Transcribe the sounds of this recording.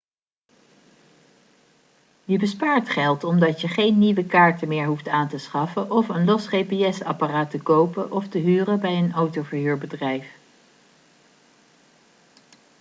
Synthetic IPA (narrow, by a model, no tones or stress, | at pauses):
jəbəspaːɹtχɛlˠtɔmdɑtjəχejnːiʋəkaːɹtəmɪːɹɦuftaːntəsχɑfəʔɔfənlɔsχejpeɛsɑ̰paraːtəkowpəʔɔftəɦyːrəbɛjənowtowvəɹɦyːɹbədrɛjf